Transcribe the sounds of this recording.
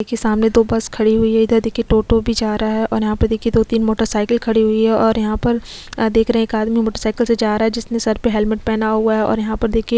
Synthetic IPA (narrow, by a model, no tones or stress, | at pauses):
ekʰesaːmned̪oːbɐskʰɐɽiɦʊiɦɛɪd̪əd̪eːkʰieʈoːʈobʱid͡ʒaːɾɦaɦɛʔɔ̰ːɾjɐɦãpɐɾd̪eːkʰied̪oːt̪iːnmoːʈəɾsaːɪkəlkʰɐɽiɦʊiɦɛʔɔːɾjɐɦãpɐɾ | d̪eːkʰɾɐɦɛ̃eːkaːd̪mimoːʈəɾsaːɪkəlsed͡ʒaːɾaɦɛd͡ʒɪsnesɐɾpeɦɛːlmɪʈ̚pɛːnaɦʊaɦɛɔ̰ːɾjɐɦãpɐɾd̪eːkʰie